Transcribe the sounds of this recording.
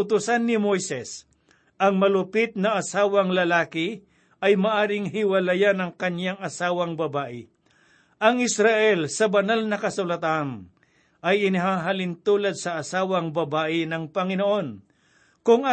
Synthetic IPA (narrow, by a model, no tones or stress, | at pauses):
ʊt̪ʊsanːɪmojsɛs | ʔɐŋmɐlʊpɪt̪̚nɐʔɐsaːwɐŋlɐlaːkɪ | ɐjmɐʔaːɾɪŋɦɪwɐlɐjanɐŋkɐɲjaŋɐsaːwɐŋbɐbaːʔɪ | ʔɐŋɪsɾaʔɛlsɐbɐnalnɐkɐsʊlɐt̪an | ʔɐjɪnɪɦaːɦalɪnt̪uːlɐd̪̚sɐʔːsaːwɐŋbɐbaːʔɪnɐŋpɐŋɪnoʔo̞n | kʊŋa